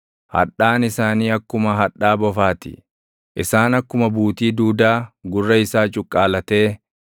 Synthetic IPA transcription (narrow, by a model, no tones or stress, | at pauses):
hɐ̰ᶑaːnɪsaːniːɐkːʊmɐɦɐᶑaːbɔfaːt̪ɪ̥̰ | ʔɪsaːnɐkːʊmɐbuːt̪iːd̪uːd̪aːɡʊrːɐɪsaːt͡ʃʼʊkʼːaːlɐt̪e̞ː